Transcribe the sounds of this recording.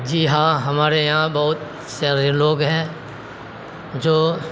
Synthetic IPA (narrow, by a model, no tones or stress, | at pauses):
d͡ʒiːɦãːɦɐmaːɾejɐɦãbɐɦʊt̪ | sjaːɾeloːɡɦɛ̃ː | d͡ʒoː